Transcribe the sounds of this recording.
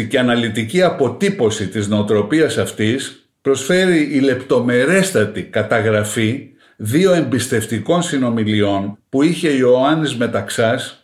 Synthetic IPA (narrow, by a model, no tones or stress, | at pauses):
ceɐnɐlit̪iciɐpo̞t̪ipo̞sit̪izne̞ot̪ɾo̞piɐsɐft̪is | pɾo̞sfe̞ɾiːle̞pt̪o̞me̞ɾe̞st̪ɐt̪ikɐt̪ɐɣɾɐfi | ðio̞e̞mbist̪e̞ft̪iko̞nsino̞milio̞npuiçe̞io̞ɐnizme̞t̪ɐksɐs